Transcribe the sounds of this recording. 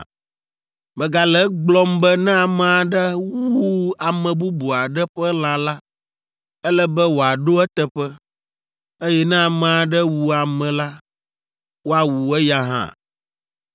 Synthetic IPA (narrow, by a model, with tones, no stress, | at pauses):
bɛ˨ɡa˨lɛ˦ɡ͡blɔ˦mbɛ˦nɛ̃˦a˨mɛ̃˨a˨ɖɛ˦wu˦a˨mɛ̃˨bu˦bu˨a˨ɖɛ˦ɸɛ˦l̃ã˨la˦ | ɛ˦lɛ˦bɛ˦wo˨a˨ɖo˦ɛ˦t̪ɛ˨ɸɛ˦ | e˦jɛ˦nɛ̃˦a˨mɛ̃˨a˨ɖɛ˦wu˨a˨mɛ̃˨la˦ | wo˦a˨wu˨ɛ˦ja˦ɦã̰˦˨